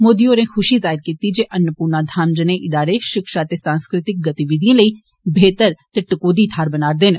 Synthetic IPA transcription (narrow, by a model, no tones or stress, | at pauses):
moːd̪iːoːɾẽːxʰʊʃiːzaːɪɾkiːt̪iːd͡ʒeːʔənːəpuːɾnaːd̪ʱaːmd͡ʒənẽːʔɪd̪aːɾeːʃɪkʃaːt̪eːsãːnskɾɪt̪ɪk̚ɡət̪iːʋɪd̪ijãːləiː | bʱeːt̪əɾt̪eːʈəkoːd̪iːt̪ʰaːɾbənaːɾd̪eːn